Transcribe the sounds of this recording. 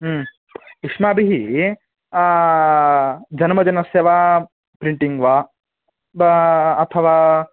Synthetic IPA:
iʂmaːbʱiɦi | d͡ʒɐnmɐd͡ʒɐnɐsjɐʋa | pɾiɳʈiŋɡʋa | ɐt̪ʰɐʋaː

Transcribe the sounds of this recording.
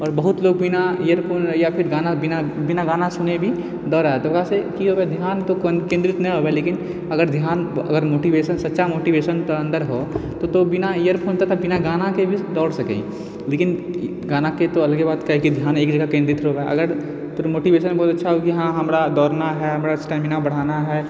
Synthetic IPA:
ɔːɾbɐɦʊt̪loːɡ̚bɪnaijəɾpʰoːnjapʰɪɾɡaːnabɪnabɪnaɡaːnasʊnebʱi | d̪ɔːɾaɦɛt̪okasekiɦobed̪ʱjaːnt̪okkẽnd̪ɾɪt̪nɛ̃ɦoːbeleːkɪn | ɐɡəɾd̪ʱjaːnɐ̰ɡəɾmoːʈiʋeːʃənsɐtːʃamoːʈiʋeːʃənpəɾə̃nd̪əɾɦot̪ot̪obɪnaijəɾpʰoːnt̪at̪ɐbɪnaɡaːnakebʱid̪ɔːɽsɐkḛ̃ | leːkɪn | ɡaːnaket̪oɐləɡebaːd̪kaɦkid̪ʱjaːneːkd͡ʒəɡakẽːnd̪ɾɪt̪ɾɦobeʔɐ̰ɡəɾ | t̪oɾmoːʈiʋeːʃənbɔːt̪ɐtːʃʰaɦokiɦãɦɐmɾad̪ɔːɾnaɦɛɦɐmɾasʈɛːmɪnabɐɽ̤aːnaɦɛː

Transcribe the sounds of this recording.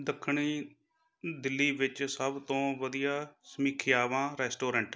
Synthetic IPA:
d̪əkʰːɳiː | d̪ɪlːiːʋɪt͡ʃsəbt̪õːʋəd̪ijaːsəmiːkʰɪjaːʋãːɾɛːsʈoːɾəɳʈ

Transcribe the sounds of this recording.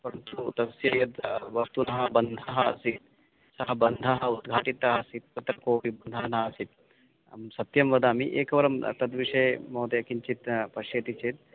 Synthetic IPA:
pɐɾɐnt̪ut̪ɐsjɐjɐd̪ʋɐst̪unɐɦɐbɐnd̪ʱɐɦɐɐ̰sit̪̚ | sɐɦɐbɐnd̪ʱɐɦɐud̪ɡʱaːʈit̪ɐɦɐsit̪̚kɐt̪ɾɐkoːʋibɐnd̪ʱɐɦɐnɐɦɐsit̪̚ | sɐt̪jɐmʋɐd̪aːmiʔḛːkɐʋɐɾɐmt̪ɐd̪ʋiʂɐjmoːt̪jɐkiɲt͡ʃit̪pɐʃjɐt̪it͡ʃit̪̚

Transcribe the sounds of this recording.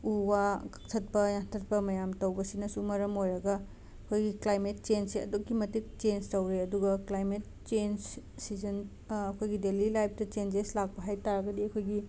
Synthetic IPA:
uwakɐ̥k̚tʰɐt̚pɐjantʰɐt̚pɐmɐjamtɐwbɐsinɐsumɐɾɐmojɾɐɡɐ | ɐkʰojɡiklajmet̚t͡ʃensiɐ̰dukːimɐtik̚t͡ʃenstɐwɾeɐduɡɐklajmet̚ | t͡ʃen | sizɐn | ɐkʰojɡidelilajp̚ʰtɐt͡ʃend͡ʒeslak̚pɐɦajtaɾɐɡɐdiɐkʰojɡi

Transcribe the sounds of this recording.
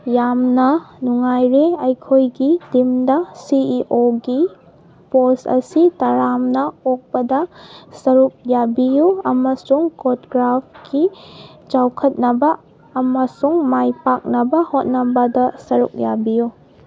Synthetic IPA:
jamnɐnuŋajɾeɐjkʰojɡidimdɐsiiʔoɡi | posɐ̰sitaɾamnɐok̚pɐdɐsɐɾuk̚jabijuɐmɐsuŋkotɡɾapkʰit͡ʃawkʰɐt̚nɐbɐː | mɐsuŋmajpak̚nɐbɐhot̚nɐbɐdɐsɐɾṵk̚jabiju

